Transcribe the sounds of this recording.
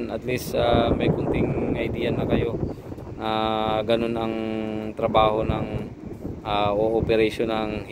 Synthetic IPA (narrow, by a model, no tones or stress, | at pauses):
nʔɐt̪list̪amɐjkʊnt̪ɪŋʔɐjd̪iːjɐnɐkɐjo̞aɡɐno̞nɐŋt̪ɾɐbaːho̞nɐŋ | ʔaʔoʔopɛɾɛjʃonɐŋh